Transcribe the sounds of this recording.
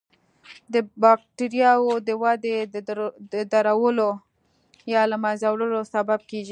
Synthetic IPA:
d̪əbɑk̚ʈiɾjɑwod̪əwɑd̪ed̪əd̪aɾawəlo | jɑlamazawɽəlosabab̚keʒi

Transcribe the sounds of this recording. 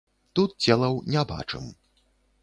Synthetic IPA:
t̪ut̪̚t͡sʲɛlˠɐwnʲɛba̰t͡ʂɨ̰m

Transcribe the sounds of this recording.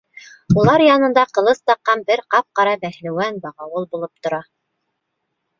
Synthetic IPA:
ulˠɑɾjɑnɤ̆nd̪ɑqɤ̆lˠɤst̪ɑqːɑmbɘɾqɑp̚qɑɾɑbæhlɘ̆wænbɑʁɑwɤlˠbulˠɤp̚t̪ŏɾɑ

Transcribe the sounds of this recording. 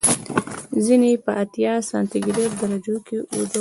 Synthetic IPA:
zinepəʔat̪jɑsɑnt̪ɪɡɾeɾ̚d̪aɾad͡ʒokeʔud̪ə

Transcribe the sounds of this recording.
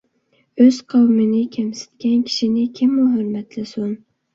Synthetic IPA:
ɵz̥qʰɑwmɪnɪkʲʰamsɪ̥t̪kʲankʲʰɪ̥ʃɪnɪkʲʰɪmːʊɦɵɾmat̪ʰlɪsʊn

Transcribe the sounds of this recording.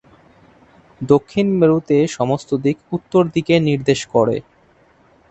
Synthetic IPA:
d̪okʰːinmeɾut̪eʃɔmost̪od̪ikut̪ːoɾd̪ikeniɾd̪eʃkɔɾḛ

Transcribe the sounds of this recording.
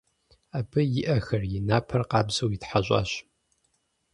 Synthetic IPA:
abɨjɪʔɐxɐrjɪnaːpʰɐrqɑːbzɐwjɪtħaɕʷʼɑ̰ːɕ

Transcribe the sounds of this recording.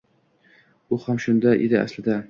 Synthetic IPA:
ʊhamʃʊnd̪aʔed̪ɪa̰slɪd̪a

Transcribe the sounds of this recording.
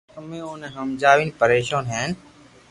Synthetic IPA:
əmẽːonẽɦəmd͡ʒaːʋinpəɾeːʃãːnɦɛːn

